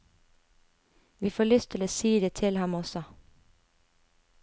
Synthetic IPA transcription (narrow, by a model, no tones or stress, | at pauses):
ʋiːfoːɭʏst̪ʰɪləsiːd̪eːt̪ʰɪlhɑmɔsɔ